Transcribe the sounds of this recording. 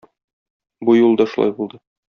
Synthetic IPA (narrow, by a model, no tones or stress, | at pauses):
bujulˠd̪ɑʃulˠɑ̰jbulˠd̪ɤ